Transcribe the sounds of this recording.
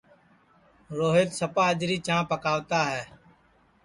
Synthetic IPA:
ɾoːɦeːt̪səpaːəd͡ʒɾiːt͡ʃãːpəkaːʋt̪aːɦɛː

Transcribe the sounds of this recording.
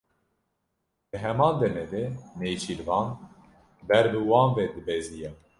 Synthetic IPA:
bɨɦɛmɑːnd̪ɛmɛd̪ɛmeːjt͡ʃʰilvɑːn | bɛɾbɨwɑːnvɛd̪ɨbɛzijɛ

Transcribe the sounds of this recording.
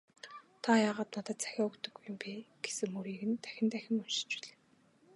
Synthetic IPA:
t̪ʰajaːʁaːt̪nat̪ə̆ːt̪̚t͡sæ̥xʲaːɵkt̪ɵ̆ɡuj̆mpʲiːɡ̥e̥sɘ̆ŋuɾiːɣɘ̆nt̪æ̥xʲɪ̆nt̪æxʲɪ̆ŋunʃɪ̥̆t͡ɕpæ̥ɮe̥ː

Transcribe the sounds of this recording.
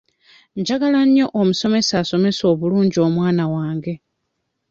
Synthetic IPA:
ɲɟaɡalaɲjo̞ʔomuso̞me̞saso̞me̞so̞ːβuluːɲɟio̞ːmwaːnawaːŋɡe̞

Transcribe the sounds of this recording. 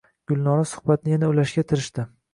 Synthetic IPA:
ɡ̥ʊlˠnɒɾasʊ̥hbat̪nɪjanaʊlaʃɡʲat̪ʰɪɾɪʃt̪ɪ

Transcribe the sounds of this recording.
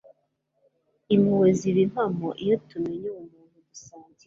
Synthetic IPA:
imiweziβim̥amoʔijotumeɲuumuːnuɡusaːɲzi

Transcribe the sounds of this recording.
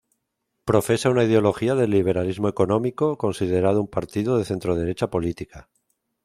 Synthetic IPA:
pɾo̞fe̞saunaiðeo̞lo̞xiaðe̞lːiβ̞e̞ɾalizmo̞e̞ko̞nõ̞miko̞ko̞nsið̞e̞ɾað̞oumpaɾt̪iðoðe̞θe̞nt̪ɾoð̞e̞ɾe̞t͡ʃapo̞lit̪ika

